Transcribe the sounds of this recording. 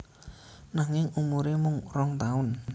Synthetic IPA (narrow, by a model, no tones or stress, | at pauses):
naŋɪŋumuɾemʊŋrɔŋt̪aʊn